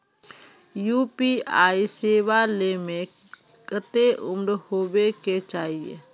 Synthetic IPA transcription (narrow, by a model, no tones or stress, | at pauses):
juːpiaːiseːʋalemẽ | kət̪eʔʊmɾhoːweket͡ʃaːɦiḛ